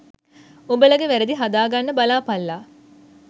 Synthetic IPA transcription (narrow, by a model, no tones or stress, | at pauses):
obəlɐɡeʋæɾed̪iɦad̪aːɡɐnːəbalaːpɐlːaː